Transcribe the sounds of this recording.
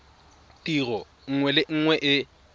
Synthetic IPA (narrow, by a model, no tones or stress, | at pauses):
tʼirɔ | ŋ̩ŋwɛlɪŋ̩ŋwɛʔɪ